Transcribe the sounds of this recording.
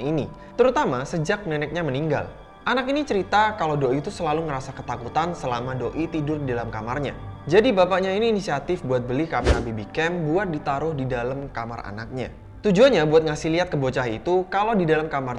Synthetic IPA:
ini | t̪əɾut̪amasəd͡ʒak̚nɛnɛk̚ɲaməniŋɡa̰l | ʔanakinit͡ʃəɾit̪akalawdoʔiːt̪usəlaluŋəɾasakət̪akut̪ansəlamadoʔit̪idʊrdidalamkamarɲa̰d͡ʒadibapaʔɲainiːnisiat̪ɪfbuat̪̚bəlihkamiabibikɛmbuat̪̚dit̪aɾʊhdidalamkama̰ra̰na̰k̚ɲa̰ | t̪ud͡ʒuanɲabuat̪̚ŋasiliat̪̚kəbot͡ʃaɦait̪ukalawdidalamkamar

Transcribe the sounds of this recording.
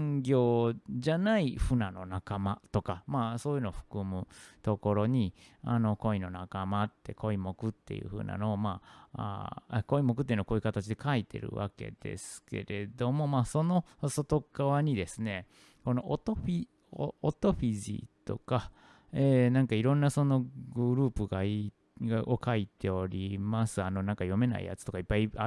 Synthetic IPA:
ŋɡʲo̞ːd͡ʑanaiɸɯ̟nano̞nakamat̪o̞kamaːso̞ːjɯːnooɸɯ̥kɯ̟mɯ̟t̪o̞ko̞ɾo̞ɲ̟ia̰no̞ko̞ino̞nakamat̪ːe̞̰kʰo̞imo̞kɯ̟t̪ːe̞̰jɯ̰ɸɯ̟ːna̰no̞ːmaːa̰eko̞imo̞k̬ɯ̟t̪ːei̟nokoːji̟kat̪at͡ɕid̪e̞kait̪e̞̰ɾɯ̟̰βa̰ke̞̰d̪̥e̞̰sɨ̥ke̞̰ɾe̞d̪o̞mo̞maːso̞no̞ | so̞t̪o̞ɡaβaɲ̟id̪e̞sɨne̞ | ko̞no̞ʔot̪oɸi | oot̪o̞ɸiʑḭt̪oka | eːnãŋkaiɾõ̞nːaso̞no̞ɡɯɾɯ̟ːpɯɡai | ɡaokʰait̪e̞o̞ɾʲimasɨano̞nãŋkajo̞me̞na̰ḭja̰t͡sɨ̥t̪o̞kaipːaia

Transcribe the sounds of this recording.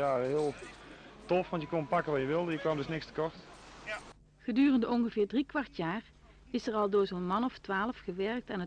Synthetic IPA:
aːəɦɪːlˠtɔfʋɑntjəkɔnpɑkəʋɑjəʋɪlˠdəjəkʋaːmdɵsnɪkstə̥kɔɹt | χədyːrəndəɔnɣəvɪːɹdrikʋɑɹtjaːɹ | ɪsɛɹɑlˠdoːɹzoːnmɑnɔftʋaːləfχəʋɛɹk̚tɛnə

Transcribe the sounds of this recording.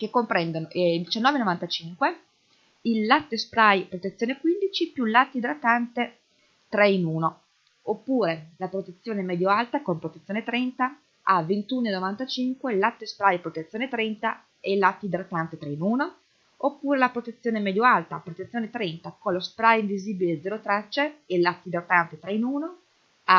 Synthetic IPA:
kekːompɾɛnd̪onoʔd̪it͡ʃanːɔːvenovant̪at͡ʃiŋkwe | ilːat̪ːespɾajpɾot̪et̪sjoːnekwind̪it͡ʃipjulat̪ːid̪ɾat̪ːant̪e | t̪ɾɛinuːno | opːuːɾelapɾot̪et̪sːjoːnemɛːd̪joalt̪akompɾot̪et̪sːjoːnet̪ɾɛnt̪a | avent̪uːnoenːovant̪at͡ʃiŋkwelat̪ːespɾajpɾot̪et̪sːjoːnet̪ɾɛnt̪a | ɛlːat̪ːid̪ɾat̪ːant̪et̪ɾɛinuːno | opːuːɾelapɾot̪et̪sːjoːnemɛd̪joalt̪apɾot̪et̪sːjonet̪ɾɛnt̪akonlospɾajiɱviziːbiled̪zɛɾot̪ɾat͡ʃːeelat̪ːid̪ɾat̪ːant̪et̪ɾɛinuːno | a

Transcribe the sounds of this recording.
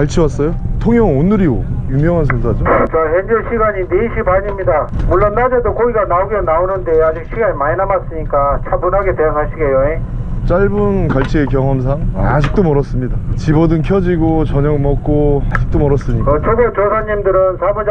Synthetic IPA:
kaɭt͡ɕʰiwas͈ʌjotʰoŋjʌŋonːɯɾiojumjʌŋɦans̬ʰensʰad͡ʑot͡ɕaɦend͡ʑoɕʰiɡaɲineiɕʰibaɲimɲidamuɭːonːad͡ʑedokoɡiɡanauɡenaonɯnde̞ad͡ʑik̚ɕʰiɡaɲimaɲinamas͈ɯɲik͈at͡ɕʰabunɦaɡetwejakaɕʰiɡejoet͡ɕ͈aɭbunkaɭt͡ɕʰiekjʌŋɦʌms̬ʰaŋad͡ʑik̚t͈omʌɾʌs͈ɯmɲidat͡ɕibʌdɯŋkʰjʌd͡ʑiɡot͡ɕʌɲʌŋmʌk̚k͈oad͡ʑi̥k̚t͈omʌɾʌs͈ɯɲikt͡ɕʰʌɡot͡ɕosʰaɲimdɯɾɯnsʰabʌ

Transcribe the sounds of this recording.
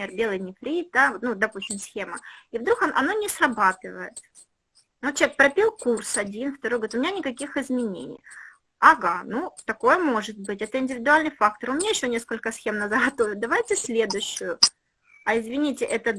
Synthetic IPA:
erbʲe̞lˠɨjnʲɪfɾʲid̪avot̪nud̪ɐpusʲtʲɪmsxʲe̞məivd̪ɾukɐʔɐ̰nonʲɪsrɐbat̪ɨvəjɪt̪ | ott͡ɕʲek̚pɾɐpʲilˠkursɐdʲinft̪ɐɾojɡəvʲɾɪt̪ʊmʲɪnʲanʲɪkɐkʲixɪzmʲɪnʲḛnʲɪ̰j | ɐɡanut̪ɐko̞jəmo̞ʐɨt̪̚bɨtʲɛt̪əɪnʲdʲɪvʲɪd̪ʊalʲnɨjfakt̪ərʊmʲɪnʲajɪɕːonʲe̞skəlʲkəsxʲe̞mnəzəɡɐt̪ovʲɪd̪ɐvajtʲɪsʲlʲe̞d̪ʊɕːʊjʊ | ɐɪzvʲɪnʲitʲɪʔɛt̪ə

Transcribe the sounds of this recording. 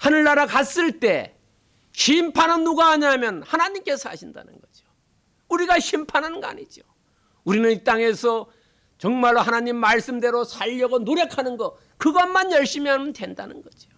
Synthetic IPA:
hanɯɭːaɾakas͈ɯɭt͈e̞ | ɕʰimpʰanɯnːuɡaːɲamjʌnhanaɲimk͈e̞sʰa̰ɕʰinda̰nɯ̰nɡʌd͡ʑo | uɾiɡaɕʰimpʰanɦanɯnɡa̰ɲid͡ʑo | uɾinɯnit͈aŋe̞sʰʌ | t͡ɕʌŋmaɭohanaɲimːaɭs͈ɯmde̞ɾosʰaʎːʌɡonoɾjʌkʰanɯnɡʌ | kɯɡʌmːanjʌɭɕ͈imianndwe̞nda̰nɯnɡʌd͡ʑio

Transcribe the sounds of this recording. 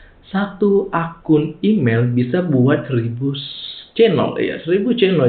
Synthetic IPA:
sat̪uʔakʊnimelbisabuat̪̚rɾibust͡ʃenɔ̰lja̰sɾibust͡ʃenɔ

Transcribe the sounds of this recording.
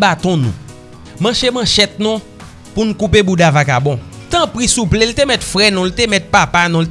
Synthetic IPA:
bat̪ɔ̃nṵ̃ | mɐ̃ʃemɐ̃ʃɛt̪̚nũ | punũkupebudavakabɔ̃t̪ɐ̃pɣisuplelt̪emɛt̪fɣɛnũlitemɛt̪̚papanũlit

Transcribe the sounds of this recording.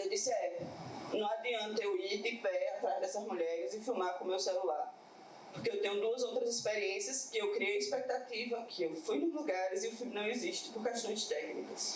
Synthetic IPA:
ewd̪isɪɛʎɐnɐ̃w̃ad̪iɐ̃nt̪ɐewid̪ɪpɛat̪ɾazd̪ɛsɐzmuʎɛɾɪzɪfiwmakõmewsɛlulaɾ | pohkeewt̪ẽɲʊd̪uɐzowt̪ɾɐzispeɾiẽsijɐskɪewkɾiejɐispɛk̚t̪at̪ivɐkʰɪewfujnʊzluɡaɾɪzɪʊfimnɐ̃w̃eziʃt̪ɪ̥poɾkɛʃt̪õj̃d͡ʒt̪ɛknḭkɐs

